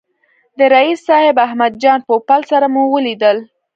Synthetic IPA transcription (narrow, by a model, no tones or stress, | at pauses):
d̪əɾaisːɑhɪbaɦmad̪̚d͡ʒɑnpopalsaɾamuwəlid̪əl